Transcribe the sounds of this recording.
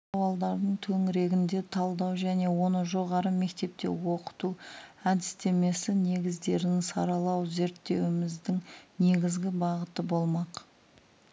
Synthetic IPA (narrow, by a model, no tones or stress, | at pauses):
sɑwɑlˠd̪ɑɾd̪əɴt̪ʰɵŋɪɾe̞ɡʲɪnd̪e̞t̪ʰɑlˠd̪ɑwʒæne̞wo̞nəʒo̞ʁɑɾəme̞kt̪e̞p̚t̪e̞̰wo̞qə̥t̪uæd̪ɪst̪e̞me̞sɪne̞ɡʲɪzd̪e̞ɾɪnɪŋsɑɾɑlˠɑwze̞ɾt̪ːe̞wɪmɪzd̪ɪŋne̞ɡʲɪzɡʲɪbɑʁət̪əbo̞lˠmɑq